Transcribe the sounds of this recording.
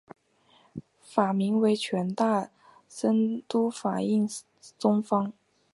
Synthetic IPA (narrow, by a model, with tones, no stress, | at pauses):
fa˨˩mi˧˥ŋwe˧˥ɪt͡ɕʰɥɛ˧˥nt̪a˥˩ | sə˥nt̪u˥fa˨˩i˥˩ŋ | t͡sʊ˥ŋfɑ˥ŋ